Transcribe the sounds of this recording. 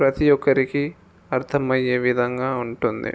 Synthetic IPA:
pɾɐt̪ijɔkːɐɾiki | ɐɾt̪ʰɐmɐjeːʋid̪ʱɐŋɡaːuɳʈund̪ḭ

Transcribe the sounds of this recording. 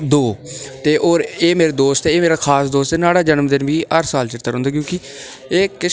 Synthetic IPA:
d̪oːt̪eːʔoːɾeːmeːɾeːd̪oːst̪eeːmeːɾaːkʰaːsd̪oːst̪enaːɽaːd͡ʒənmd̪ɪnʋiːəɾsaːlt͡ʃɪɾt̪ːəɾɦõːnd̪aːk̬jõːkɪ | eːkɪ

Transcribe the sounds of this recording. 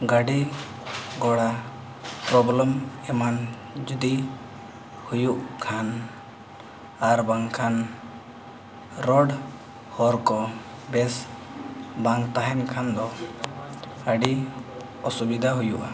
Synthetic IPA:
ɡaɖi | ɡɔɽa | pɾɔblɔmɛman | d͡ʒud̪i | hujuʔkʰan | aɾbaŋkʰan | ɾɔɖ | hɔɾkɔ | bɛs | baŋkt̪aɦɛnkʰand̪ɔ | ɡaɖi | ɔsubid̪ʱaɦujuʔa

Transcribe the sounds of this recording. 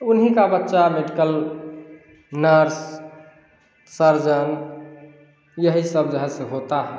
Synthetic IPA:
unɦikabətːʃameɖikəl | nəɾs | səɾd͡ʒən | jəɦisəbd͡ʒəɦɛ̃sẽɦot̪aɦɛ

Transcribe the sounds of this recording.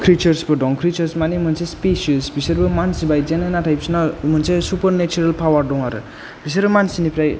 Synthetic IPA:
kʰɾit͡ʃɐɾsbɯdɔŋkʰɾit͡ʃɐɾsmanimɯnsespesisbisɐɾbɯmansibajzenanatʰajpsnamɯnsesupɐɾnet͡ʃuɾalpʰawaɾdɔŋaɾɯ̰ | b̥is̬aɾbɐmansinipʰɾaj

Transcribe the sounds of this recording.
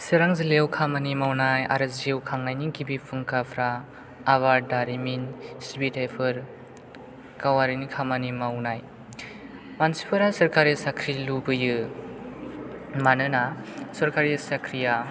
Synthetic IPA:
sɯɾaŋzilewkʰamanimawnaja̰ɾɯzewkʰaŋnajnikibipʰɯŋkapʰɾaː | βaɾdaɾiminsibitajpʰɯɾ | kawaɾinikʰamanimawnaj | mansi̥pʰɯɾasɐɾkaɾisakʰɾilubɯjɯ | manɯnasɐɾkaɾisakʰɾija

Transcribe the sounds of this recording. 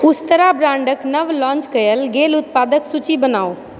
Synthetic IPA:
ʊst̪əɾabɾãːɳɖəknɐʋlɔ̃ːɲt͡ʃkɐjəlɡeːlʊt̪̚paːd̪əksʊt͡ɕibɐnaːoː

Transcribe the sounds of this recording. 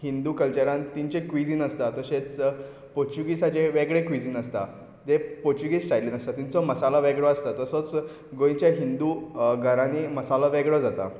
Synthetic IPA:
hind̪uːkəlt͡ɕaɾãnt̪iɲt͡ɕekʋid͡ziːnəst̪at̪əɕet͡s | poɾt͡ɕuɡisat͡ɕeʋeɡɭekʋid͡ziːnəst̪a̰ | d̪epoɾt͡ɕuɡisʈajlinəst̪at̪int͡sɔməsalɔʋeɡɭɔast̪at̪əsɔt͡s | ɡojɲt͡ɕjaɦind̪uːɡʱəɾãniːməsalɔʋeɡɭɔd͡zat̪a̰

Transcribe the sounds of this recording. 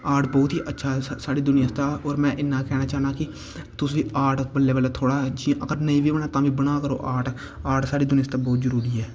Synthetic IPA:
aːʈbɔːt̪iːʔətːʃʰaːɛsaːɽiːd̪ʊnɪjãːst̪aːɔːɾmɛ̃ːʔɪnːãːkɛːnaːt͡ʃaːnaːkɪ | t̪ʊsʋiːaːʈbəlːeːʋəlaːt̪ʰoːɽaːɦɛd͡ʒɪãʔəɡəɾnəĩːʋiːʋənaːt̪ãːʋiːbəɽaːkəɾo̰ːʔaːʈ | aːʈsaːɽiːd̪ʊnɪaːst̪ãːbɔːt̪zəɾuːɾiːɛː

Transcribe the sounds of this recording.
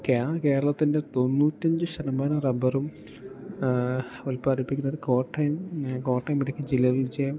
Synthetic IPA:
okːeake̞ːɾɐɭɐt̪ːinde̞t̪o̞nːuːtʲːɐɲd͡ʑɨɕɐnɐmaːnɐrɐbɐrum | ʋɐlpːɐɐɾipːikʲːunːoɾuko̞ːʈːɐjɐmko̞ːʈːɐjɐmiɾikʲːɐd͡ʑilːɐʋilt͡ɕeːjm

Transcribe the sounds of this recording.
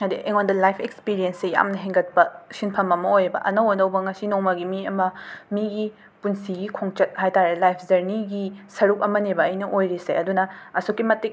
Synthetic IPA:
ɐdiʔeŋondɐlajpʰekspiɾijɐnseja̰mnɐɦeŋɡɐt̚pɐsinpʰɐmɐmɐojbɐ̰ʔɐnɐwɐndɐwbɐŋɐsinoŋmɐɡimiɐmɐmiɡi | punsiɡikʰoŋt͡ʃɐt̚hajtaɾelajpʰzɐɾniɡisɐɾuk̚ɐmɐnebɐːjnɐʔojɾisḛɐdunɐɐsokːimɐtik̚

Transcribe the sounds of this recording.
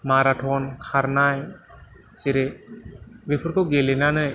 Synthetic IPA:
maɾaʈʰɔnkʰaɾnaj | t͡ʃiɾe | bipʰɯɾkɔɡelɛnanɯj

